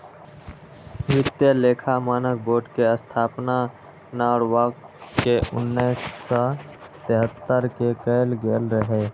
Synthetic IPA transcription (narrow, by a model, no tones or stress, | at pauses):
ʋɪt̪jəleːkʰamaːnək̚boːʈkeəst̪ʰaːpna | naɔːɾʋakkeʔʊnːiːsːɔt̪eɦət̪ːəɾkekəɪlɡeːlɾəɦeː